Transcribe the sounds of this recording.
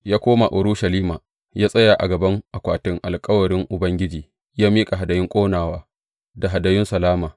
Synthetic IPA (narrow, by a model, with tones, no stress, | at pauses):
jaː˦kʷoː˦ma˨ʔʊ˨ɾʊ˦ʃɐ˨liː˦maː˨ | jaː˦sʼɐ˦jaː˨ʔa˨ɡɐ˨bɐ˦ŋʔa˨kʷaː˨tɪ˦ŋʔa˨lkʼɐ˦wɐ˨ɾɪ˦ŋʔʊ˨bɐ˦ŋɡʲɪ˦d͡ʒiː˨ | jaː˦miː˦kʼa˨ɦa˨dɐ˨jɪ˦ŋkʷʼoː˦naː˨waː˦ | da˨ɦa˨dɐ˨jɪ˦nsɐ˨laː˦maː˨